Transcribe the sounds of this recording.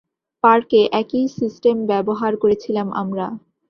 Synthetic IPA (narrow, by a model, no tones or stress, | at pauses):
paɾkeʔɛkisisʈembɛboɦaɾkoɾet͡ɕʰilamʔa̰mɾa